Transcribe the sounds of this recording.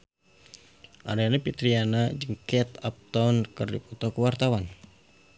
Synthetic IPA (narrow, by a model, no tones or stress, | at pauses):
ʔa̰ɾeanapit̪ɾianad͡ʒɨŋkɛt̪ap̚t̪awnkərdiput̪ɔkəwart̪awan